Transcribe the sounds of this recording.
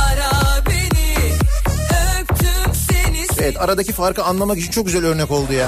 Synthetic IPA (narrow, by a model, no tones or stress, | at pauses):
aɾabeni | økt̪ʰymsenievɛt̪ʰaɾad̪acifaɾkɯanlˠamaki̥t͡ʃʰint͡ʃo̞k̚ɟyzælʲø̞ɾnɛko̞lˠd̪ujaː